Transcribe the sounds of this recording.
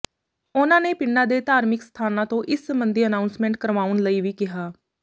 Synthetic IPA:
ʊnãːneːpɪnːãːd̪eːt̪aːɾmɪkst̪ʰaːnãːt̪õːʔɪsːəmbənd̪iːənaːʊnsmɛ̃ːɳʈ̚kəɾʋaːʊnləiːʋiːkɪɦaː

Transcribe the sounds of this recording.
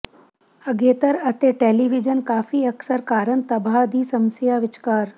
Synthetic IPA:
ɐɡeːt̪əɾɐt̪eʈeːliʋid͡ʒənkaːfiɐksəɾkaːɾənt̪ɐbʱaːd̪ʱiːsɐ̃msijaːʋɪt͡ʃkaːɾ

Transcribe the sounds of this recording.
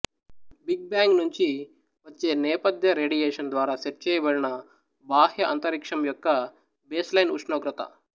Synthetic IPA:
biɡ̚baːŋɡnuɲt͡ʃi | ʋɐt͡ʃːe̞ːnɛːpɐd̪jɐɾeːɖijeːʂɐnd̪ʋaːɾaːʃeɾ̚t͡ʃɛːjɐbɐɽinɐ | baːhjɐʔɐ̰nt̪ɐɾikʂɐmjɔkːɐ | beːslɐjnuʂnoːɡɾɐt̪ɐ̰

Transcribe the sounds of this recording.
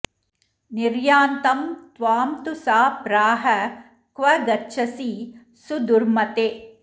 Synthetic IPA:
niɾjaːnt̪ɐmt̪ʋaːmt̪usaːpɾaːɦɐ | kʋɐɡɐtːʃʰɐsiː | sud̪uɾmɐt̪eː

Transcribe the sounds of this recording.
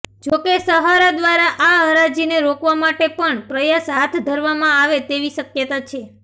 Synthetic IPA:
d͡ʒokesəɦaɾad̪ʋaɾaʔaɦəɾad͡ʒineɾokʋamaʈepəɳpɾəjasɦat̪ʰd̪ʱəɾʋamãaʋet̪eʋiʃəkjət̪at͡ʃʰe

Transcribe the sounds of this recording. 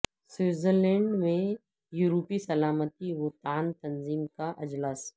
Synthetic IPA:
swɪːzəɾlɛ̃ːɳɖmẽ | juːɾoːpisɐlaːmət̪iwʊt̪aːnt̪ɐnziːmkaʔɪd͡ʒlaːs

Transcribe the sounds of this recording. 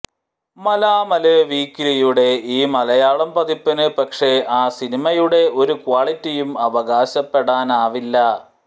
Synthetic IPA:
mɐlaːmɐleʋiːkːilijuɽe̞iːmɐlɐjaːɭɐmpɐðipːɐnɨpɐkʂe̞aːsinimɐjuɽe̞ʔo̞ɾukwaːɭitːijumɐʋɐɣaːɕɐpːe̞ɽaːnaːʋilːɐ

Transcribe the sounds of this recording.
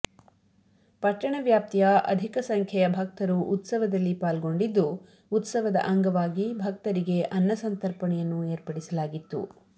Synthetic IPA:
pɐʈːɐɳɐʋjaːp̚t̪ijɐʔɐ̰d̪ʱikɐsɐŋkʰjɛjɐbʱɐk̚t̪ɐɾuʔut̪sɐʋɐd̪ɐlːipaːlɡo̞ɳɖid̪ːuː | t̪sɐʋɐd̪ɐ̰ʔɐŋɡɐʋaːɡibʱɐk̚t̪ɐɾiɡe̞ʔɐnːɐsɐnt̪ɐɾpɐɳɛjɐnːueːɾpɐɽisɐlaːɡit̪ːṵ

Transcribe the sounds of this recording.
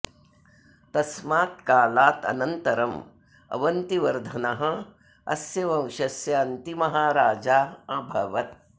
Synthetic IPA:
t̪ɐsmaːt̪̚kaːlaːt̪ɐ̰nɐnt̪ɐɾɐm | ɐ̰ʋɐnt̪iʋɐɾd̪ʱɐnɐɦɐ̆ | ɐ̰sjɐʋɐ̃w̃ʃɐsjɐɐnt̪imɐɦaːɾaːd͡ʒaːɐbʱɐʋɐt̪̚

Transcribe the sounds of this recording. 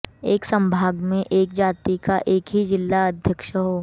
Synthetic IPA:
eːksɐ̃mbʱaːɡmẽʔeːkd͡ʒaːt̪ikaʔeːkɦid͡ʒɪlːaɐd̪ʱjəkʃəɦoː

